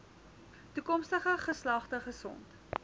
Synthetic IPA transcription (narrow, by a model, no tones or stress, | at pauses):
tukɔmstəχəχəslɐχtəχəsɔ̰nt